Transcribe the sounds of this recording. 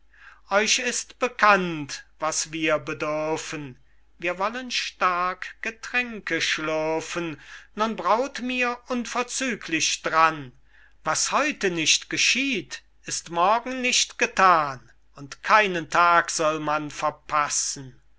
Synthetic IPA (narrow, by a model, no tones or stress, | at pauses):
ʔɔʏɕɪstb̥əkʰantv̥asv̥iːɐbədʏɐfən | viːɐvɔlənʃtaɐkɡ̥ətʁ̥ɛŋkəʃlɔɐfənnʊnbʁaʊtmiːɐʔʊnfɛɐt͡syːkʰlɪɕd̥ʁan | vashɔʏtənɪʃtɡ̥əʃiːt | ɪstmɔɐɡŋ̩nɪʃtɡ̥ətʰaːn | ʊntkʰaɪnəntʰaːkz̥ɔlmanfɛɐpʰasn̩